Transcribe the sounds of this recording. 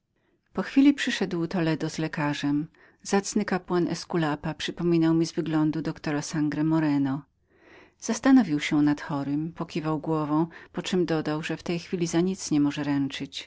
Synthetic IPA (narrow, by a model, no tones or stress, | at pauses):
pɔxfʲilʲipʂɘʂɛd̪wt̪ɔlɛd̪ɔzlɛkaʐɛm | z̥at̪snɘkapwanɛ̰skulapapʂɘpɔmʲinawmʲizvɘɡlɔnd̪ud̪ɔkt̪ɔɾasaŋɡɾɛmɔɾɛnɔ | z̥ast̪anɔvʲiwɕɛnat̪xɔɾɘmpɔkʲivawɡwɔvɔ̃w̃pɔt͡ʂɘmd̪ɔd̪awʐɛft̪ɛjxfʲilʲizaɲit̪sɲɛmɔʐɛɾɛnt͡ʂɘt͡ɕ